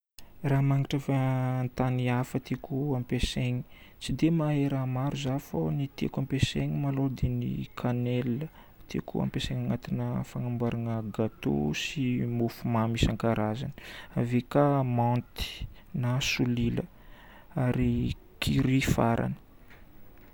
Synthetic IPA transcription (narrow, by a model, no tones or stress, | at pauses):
ramaŋiʈ͡ʂafənt̪aniafət̪ekuampeseɲi̥t͡sid̪emaeɾamaɾuzafonit̪ḛkampeseɲimalod̪enḭkʰanelə | t̪ʰḛkʰṵa̰mpeseŋaŋat̪inəfaŋambaɾʔanəɡat̪o̰simofumamisaŋkaɾazanə̥avekamãnt̪i̥nasulilə̰ | aɾi | kʰiɾifaɾʔa̰nə̥